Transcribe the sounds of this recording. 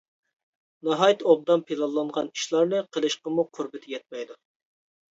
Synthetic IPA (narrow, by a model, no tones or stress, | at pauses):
nɑɦɑjt̪ob̚d̪ɑmpʰelˠɑlˠːɑɴʁɑniʃlˠɑɾnɨqʰəlˠɨʃqəmuqʰʊɾbɪt̪ʰɪjɛt̪̚mɛjd̪u